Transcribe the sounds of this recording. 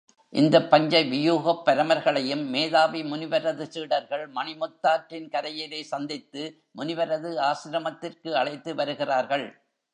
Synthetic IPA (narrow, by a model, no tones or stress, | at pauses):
ʔɪ̰nd̪ɐpːɐɲd͡ʒɐɪʋɪjuːɣɐpːɐɾɐmɐɾɣɐɭɐjɯmːeːðaːʋimʊnɪʋɐɾɐðɯsiːɽɐɾɣɐɭmɐnɪmɔt̪ːaːʈrɪnkɐɾɐjɪleːsɐnd̪ɪt̪ːɯ | mʊnɪʋɐɾɐðɯaːsɪɾɐmɐt̪ːɪrkɯɐɭɐɪt̪ːɯʋɐɾɯɣɪraːɾɣɐɭ